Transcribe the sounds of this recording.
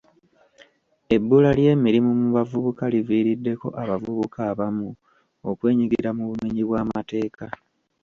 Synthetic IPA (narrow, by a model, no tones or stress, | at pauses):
e̞bːulalje̞ːmiɾimumuβavuβukaliviːɾidːe̞ko̞ʔaβavuβukʰaːβamu | okwe̞ːɲiɡiɾamuβumeɲiβwaːmate̞ːka